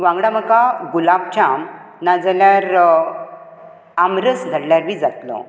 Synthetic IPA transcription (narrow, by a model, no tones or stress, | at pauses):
ʋãŋɡɽaməkaɡulab̚t͡ɕam | nad͡zaljaɾ | amɾəsɡ̪ʱəɽljaɾʋid͡zat̪lɔ̰